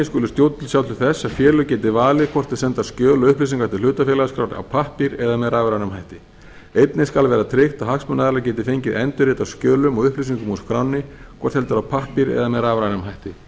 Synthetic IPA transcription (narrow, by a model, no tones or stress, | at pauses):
ɪskʏːlʏst̪jowt̪t̪ʰɪlsjawt̪ʏ̥ɾθɛsːaðfjɛːlʏcɛːt̪ɪvaːlɪðkʰvɔr̥t̪ɪðsɛnt̪ascœːlɔʏhplis̬iŋkaht̪ɪlʏːt̪afɛːlaðskɾawɾa̰wpʰahpiɾɛðamɛðɾaːvɛɾanʏmɦajht̪ɪ | ejt̪nɪskalvɛːɾat̪ʰɾɪxt̪aɦaksmʏnːaðɛɾlac̬ɛːt̪ɪfejɲcɪðɛnt̪ʏɾɪːt̪awscœːlʏmɔɣʏhplis̬iŋkʏmuskʰɾawnːɪkkʰvɔr̥t̪hɛlt̪ʏɾawpʰahpiɾɛ̰ðamɛðɾaːvɾanʏmɦajht̪ɪ